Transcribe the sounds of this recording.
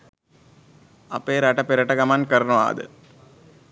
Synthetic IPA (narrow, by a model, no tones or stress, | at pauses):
ɐ̰peːɾɐʈɐpiɾɐʈɐɡɐmankɐɾɐnuʋa̰ːd̪ɨ̰